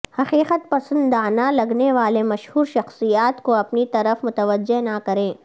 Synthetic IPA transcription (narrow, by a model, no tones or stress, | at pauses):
hɐqiːqət̪̚pɐsə̃nd̪aːnalɐɡneʋaːlemɐʃhuːɾʃɐxsijaːt̪koɐpnit̪ɐɾəfmʊt̪əʋəd͡ʒːeɦnakɐɾẽː